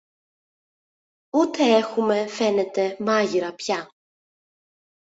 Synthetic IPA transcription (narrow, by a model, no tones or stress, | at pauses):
ut̪ʰeɛxumɛfɛnɛt̪ʰɛmaʝiɾɐpça